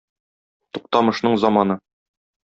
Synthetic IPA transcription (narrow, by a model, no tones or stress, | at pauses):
t̪uq̚t̪ɑmɤ̆ʃnɤɴzɒmɑnɤ